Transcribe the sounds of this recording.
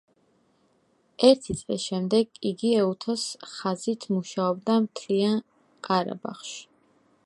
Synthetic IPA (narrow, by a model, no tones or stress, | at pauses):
ɛɾt̪ʰit̪sʼlḭsʃɛmd̪ɛɡiɡiɛut̪ʰɔsχazit̪ʰmuʃaɔbd̪amt̪ʰlian | qʼaɾa̰ba̰χʃ